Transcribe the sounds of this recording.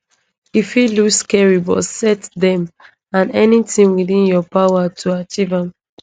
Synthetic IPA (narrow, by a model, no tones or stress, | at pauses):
ifiluskɛɹibɔ̰sɛtðɛ̃m | ãnɛnitĩŋwiθĩnjɔpawatʰuat͡ʃivãm